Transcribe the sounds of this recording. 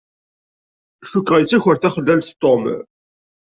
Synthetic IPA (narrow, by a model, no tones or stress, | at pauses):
ʃukʁæjət͡sːæçəɾθæχəlːælst̪ˤom